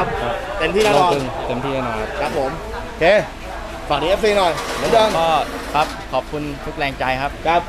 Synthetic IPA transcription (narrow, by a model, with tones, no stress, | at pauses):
kʰa˦˥t̪i˨˧˩mt̪ʰiː˧na˧˨ɯ˧ŋt̪i˨˩mt̪ʰi˧na˧nɔ˨˩kʰa˦˥p̚kʰa˦˥p̚ho˨˦m | o˧˩kʰeː˧ | faː˨˩niː˧˥ɛ˦˥psi˧nɔ˨˩jla˨˦ɗəː˧ŋɔː˧˥˩kʰa˦˥p̚kʰɔː˨˩p̚kʰu˧nt̪ʰu˦˥k̚lɛː˧ŋt͡ɕa˧jkʰa˦˥p̚t͡ɕa˦˥p̚